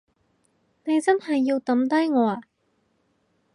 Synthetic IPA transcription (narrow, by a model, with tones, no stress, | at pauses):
ne˨˧jt͡sɐ˥nhɐ˨jːiː˧wt̪ɐ˨˥mt̪ɐ˥jŋɔː˨˧aː˨˧